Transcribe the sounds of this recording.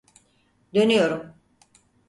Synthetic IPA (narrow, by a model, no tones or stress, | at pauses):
d̪ø̞nyjo̞ɾum